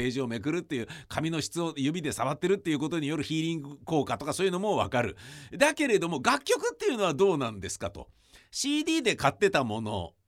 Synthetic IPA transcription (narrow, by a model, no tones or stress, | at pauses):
e̞ːʑio̞me̞kɯ̟ɾɯ̟t̪ːe̞jɯ̟ːkʰamʲino̞ɕi̥t͡sɨo̞jɯbʲid̪e̞saβat̪ːe̞ɾɯ̟t̪ːe̞jɯ̟ko̞t̪o̞ɲ̟ijo̞ɾɯ̟çiːɾʲĩŋɡɯko̞ːkat̪o̞kasoːjɯno̞mo̞βa̰kaɾɯ̟̰d̪ake̞ɾe̞d̪o̞mo̞ɡakʲːo̞kɯ̟t̪ːe̞jɯ̟no̞βad̪o̞ːnãnd̪e̞sɨ̥kat̪o̞̰ | ɕiːd̪ʲiːd̪e̞kat̪ːe̞t̪amo̞no̞̰